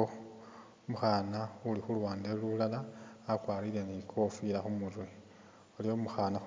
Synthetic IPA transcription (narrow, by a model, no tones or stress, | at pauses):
o | muxanaulixulwaːndelulalaːkwaːɾile̞nikʰo̞fiɾaxumuzwi | olijo̞muxana